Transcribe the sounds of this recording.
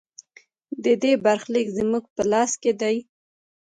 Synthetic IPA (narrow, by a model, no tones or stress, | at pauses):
d̪əd̪ebaɾxlikzəmuɡ̚pəlɑsked̪aj